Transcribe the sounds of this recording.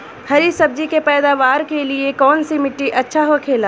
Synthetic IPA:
hɐɾisɐb̚d͡ʒikepɛːd̪aːʋaːɾkeliekɔːnsimɪʈːiʔɐtːʃʰaɦokʰeːlaː

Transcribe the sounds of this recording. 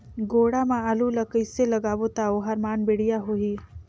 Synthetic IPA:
ɡoːɽamãəlulɐkəɪselɐɡaːʋot̪aoɦɐɾmaːnbeɽijaɦoɦiː

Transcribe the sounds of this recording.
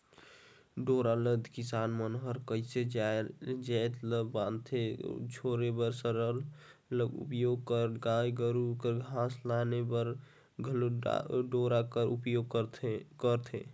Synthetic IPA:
ɖoɾaləd̪ʱkɪsaːnmənɦəɾkəɪsed͡ʒad͡ʒɛt̪ləbãnt̪ʰed͡ʒʰʱoɾebəɾsəɾəl | ləɡṵpjoːɡ̚kəɾɡaːjɡəɾukəɾɡʱãːslanebəɾ | ɡʱl̰ɖoːɾakəɾʔupjoɡ̪kəɾt̪ʰe

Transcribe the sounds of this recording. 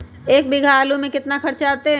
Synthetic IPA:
eːk̚bɪɡʱaːlõmẽkɪt̪naxʰɐɾt͡ʃaːt̪eɦ

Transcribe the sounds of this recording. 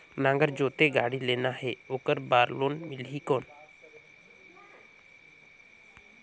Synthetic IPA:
nãŋɡəɾd͡ʒot̪eɡaɽilenaɦeokəɾbaːɾlonmɪlɦikon

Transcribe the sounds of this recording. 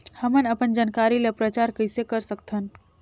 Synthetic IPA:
həmənəpənd͡ʒankaɾilepɾət͡ʃaɾkəɦsekəɾsək̚t̪ʰən

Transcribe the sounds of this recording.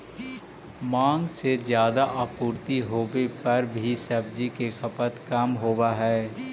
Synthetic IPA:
mãːŋɡsezjaːd̪aʔaːpuːɾt̪iɦoːbepɐɾbʱisɐb̚d͡ʒikexɐpət̪kɐmɦoːwaɦɛː

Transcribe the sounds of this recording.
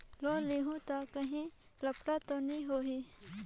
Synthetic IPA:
lõːliɦũt̪akəɦĩ | lɐpɽat̪onĩɦoːɦi

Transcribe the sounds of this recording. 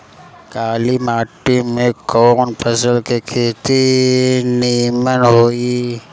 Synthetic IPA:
kaːlimaːʈːimẽkɔːnpʰəsəlkekʰeːt̪i | niːmənɦoːi

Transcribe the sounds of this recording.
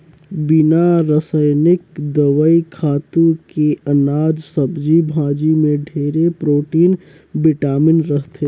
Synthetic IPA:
bɪnaɾəsəjnɪkd̪əʋəikʰaːt̪ũkeɐnaːd͡ʒsəbd͡ʒibʱãːd͡ʒimẽɖʱeːɾepɾoːʈiːn | bɪʈaːmɪnɾəɦt̪ʰe

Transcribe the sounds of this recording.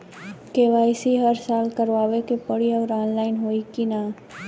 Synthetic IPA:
keːʋaːɪsiɦɐɾsaːlkɐɾʋaːʋekepɐɽiɔːɾaːnlaːɪnɦoːikinaː

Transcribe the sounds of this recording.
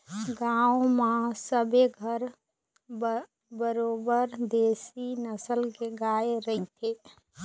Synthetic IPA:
ɡaumãsəbeɡʱəɾ | bəɾobəɾd̪esinəsəlkeɡaeɾəit̪ʰe

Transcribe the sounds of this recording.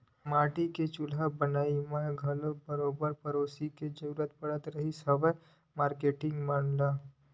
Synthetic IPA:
maːʈiket͡ʃʊlabənaːimaɡʱɐlobɐɾoːbəɾpɐɾoːsiked͡ʒɐɾuːɾət̪̚pɐɽət̪ɾɐɦisɐbə | maːɾkeːʈɪ̃ŋɡmaːmla

